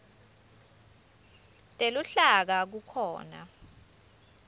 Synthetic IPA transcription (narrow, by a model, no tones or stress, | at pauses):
tʼeluɬak̬ak̬ukʰɔ̰ːna̰